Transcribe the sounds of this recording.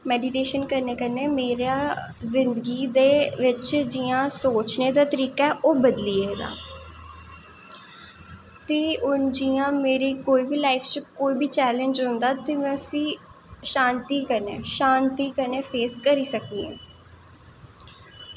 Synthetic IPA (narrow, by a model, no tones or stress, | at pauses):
mɛːɖiʈeːʃənkəɾneːkəɾneːmeːɾaː | zɪnd̪əɡiːd̪eːʋɪt͡ʃd͡ʒiːãːsoːt͡ʃneːd̪aːt̪əɾiːkaɛʔoːbəd̪lieeːd̪a̰ː | t̪eːʊnd͡ʒijãːmeːɾiːkoːiːbiːlaːɪfʰt͡ʃkoːiːbiːt͡ʃɛːlə̃ɲd͡ʒɦʊ̃nd̪aːt̪eːmɛ̃ːʊsĩː | ʃãːnt̪iːkəɾneːʃaːnt̪iːkəɾneːfʰeːskəɾiːsəkd̪iːḛ̃ː